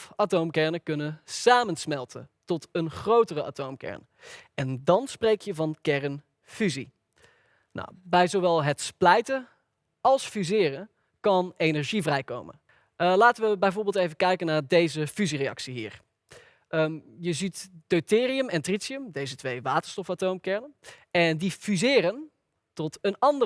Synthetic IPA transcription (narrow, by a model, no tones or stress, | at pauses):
fatowmkɛɹnəkɵnənsaːmənsmɛlˠtʰə̰ntɔtənχrowtərəʔa̰ːtowmkɛ̰ɹn | ɛndɑnsprejkʰjəvɑnkɛɹən | fyzi | na̰wbɛjzowʋɛlˠɦətsplɛjtə | ɑlˠsfyzɪːrən | kɑnejnɛɹʒivrɛjko̰wmə̰n | əlaːtəʋəbɛjvoːɹbɪlˠtejvənkɛjkənaːɹdejzəfyzirejɑ̰ksiɦḭːɹ | əjəzitd̥owtɪːriəmɛntritsiəmdejzətʋejʋaːtəɹstɔfatowmkɛɹnənɛndifyzɪːɾən | tɔtənɑndə